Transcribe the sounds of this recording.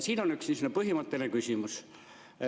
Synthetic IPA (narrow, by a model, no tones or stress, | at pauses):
siːnonyksnisnepɤɦimɑt̪ːenekysʲimus